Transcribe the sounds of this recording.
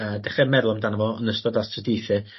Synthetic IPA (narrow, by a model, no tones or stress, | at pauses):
əːdɛχɛmɛðlˠɔmdanavɔənəstɔdastʰrədijθɨ